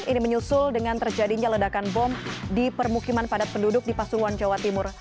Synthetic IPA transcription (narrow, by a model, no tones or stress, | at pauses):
iniməɲusʊldəŋant̪ərd͡ʒadiɲalədakanbɔmdipərmukimanpadat̪̚pəndudʊk̚dipasuɾuand͡ʒawat̪imʊr